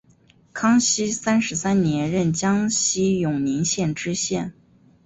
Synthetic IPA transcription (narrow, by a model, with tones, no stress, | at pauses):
kʰɑ˥ŋɕi˥sa˥nʂɻ̩˧˥sa˥nnjɛ˧˥nɻə˥˩nt͡ɕjɑ˥ŋɕi˥jʊ˨˩ŋni˧˥ŋɕjɛ˥˩nʈ͡ʂɻ̩˥ɕjɛ˥˩n